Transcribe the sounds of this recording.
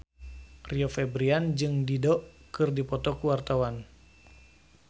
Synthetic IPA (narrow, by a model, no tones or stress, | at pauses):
riofɛbɾiand͡ʒɨŋdidɔʔkɨrdipɔt̪ɔkuwart̪awan